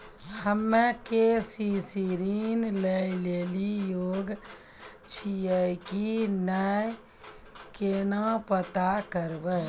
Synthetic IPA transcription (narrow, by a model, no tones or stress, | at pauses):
həmːẽkesisiɾinleleːlijoːɡ | t͡ʃʰiəjkinəj | keːnãpət̪akəɾbə